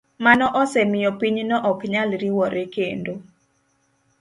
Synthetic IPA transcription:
manɔʔɔsɛmɪjɔpiɲnɔʔɔkɲalɾiwɔɾekendo

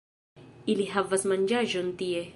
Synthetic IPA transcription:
iliɦavasmaɲd͡ʒaʒont̪ie

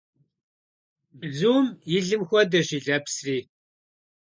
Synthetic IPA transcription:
bzuːmɪɮɨmxʷɔdɐʑiːɮɐpsriː

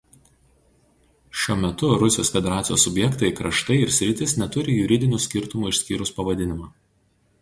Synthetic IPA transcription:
ʃʲuɔmʲɛt̪ʊɾʊsʲɪjoːsfʲɛd̪ʲɛɾɑːt̪sʲjoːsːʊbʲjɛkt̪ɐɪkɾɐʃt̪ɐɪɪɾsʲɾʲɪt̪ʲɪsnʲɛt̪ʊɾʲɪjʊɾʲɪd̪ʲɪnʲuːsʲkʲɪɾt̪ʊmuːɪʃʲsʲkʲiːɾʊspɐʋɐd̪ʲɪnʲɪmɑː

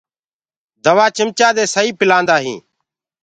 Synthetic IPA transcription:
d̪əʋaːt͡ʃɪmt͡ʃaːd̪eːsəiːpɪlãːnd̪aːɦĩː

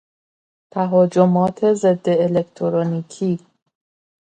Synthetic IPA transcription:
t̪ʰæɦɒːd͡ʒo̞mɒːt̪ʰe̞ze̞d̪ːe̞ːlekt̪ʰoɾoniːkʰiː

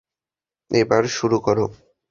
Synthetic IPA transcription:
ebaɾʃuɾukɔɾo

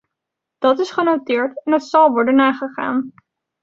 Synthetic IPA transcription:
d̥ɑtɪsχənowtɪːɹtɛnɦətsɑlˠʋɔɹdənːaːχəχa̰ːn

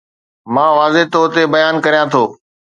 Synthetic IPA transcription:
mãːʋaːzeɦt̪oːt̪ebɐjaːnkɐɾijãt̪ʰoː

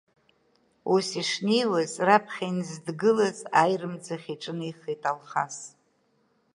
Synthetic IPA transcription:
usiʂnejlazrapʰχʲainzdɡɨlazajrɨmd͡zaχʲiʈ͡ʂʼɨnɨjχitʼalχas

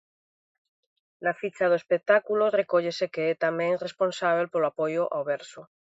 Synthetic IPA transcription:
nafit͡ʃað̞oespek̚t̪akulorekoʎesekeɛt̪amɛ̃ŋresponsaβ̞elpoloapojʊʔa̰wβɛɾso

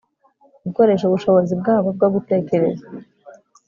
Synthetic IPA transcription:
ɡuko̞ɾe̞ʃ̬ouβuʃo̞βozib̚ɡaːβob̚ɡoɡute̞ːce̞ɾe̞za

